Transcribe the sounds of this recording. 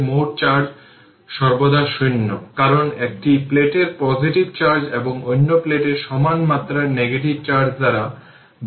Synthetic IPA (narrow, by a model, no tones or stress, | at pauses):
moʈ̚t͡ɕaɾd͡ʑ | ʃɔɾbod̪aʃunːokaɾonek̚ʈipleʈeɾpɔd͡ʑiʈibt͡ɕaɾd͡ʑeboŋojnːopleʈeɾʃɔmanmat̪ːɾaɾneɡeʈib̚t͡ɕaɾd͡ʑd̪aɾa | b